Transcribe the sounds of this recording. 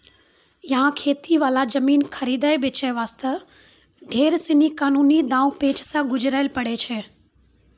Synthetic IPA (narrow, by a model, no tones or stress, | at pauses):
jɐɦãkʰeːt̪iʋaːlad͡ʒɐmiːnkʰɐɾiːd̪aːebɪt͡ʃaʋaːst̪ə | ɖʱeːɾsɪnikaːnuːnid̪ãːũpeːt͡ʃsãɡʊd͡ʒɾaːɪlpɐɽet͡ʃʰeː